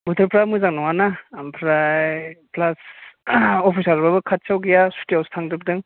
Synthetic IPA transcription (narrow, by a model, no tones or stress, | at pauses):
butʰɯɾpʰɾamɯzaŋnawanampʰɾajplas | opʰisaɾbabɯkʰat̚sawɡijasu̥tiawstʰaŋdɯb̚dɯŋ